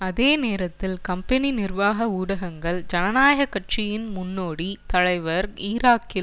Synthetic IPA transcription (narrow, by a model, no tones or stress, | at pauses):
ɐðeːneːɾɐt̪ːɪlkɐmpɛninɪrʋaːɣɐuːɽɐɣɐŋɡɐɭd͡ʒɐnɐnaːjɐɣɐkːɐʈ̚t͡ʃɪjɪnmʊnːoːɽit̪ɐɭɐɪʋɐɾiːɾaːkːɪl